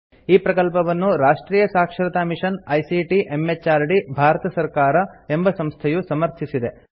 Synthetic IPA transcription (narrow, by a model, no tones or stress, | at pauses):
iːpɾɐkɐlpɐʋɐnːuɾaːʂʈɾiːjɐsaːkʂɾɐt̪aːmiʂɐnɐjsiʈiʔemːet͡ʃːaːɾɖibʱaːɾɐt̪ɐsɐɾkaːɾɐe̞mbɐsɐmst̪ʰejusɐmɐɾt̪ʰisid̪e̞